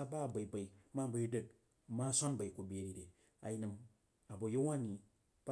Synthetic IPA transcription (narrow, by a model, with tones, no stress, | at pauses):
a˦ba˦˨ba˨i˨ba˨i˨˦ma˦bo˦i˦də˦˨t̚ | ma˦sʷa˦nba˨i˨ku˨be˨ɾi˨ɾe˨ | a̰˨ji˦nɨ˨m | a˨bo˨jo˦wa˦ni˨ | ba˦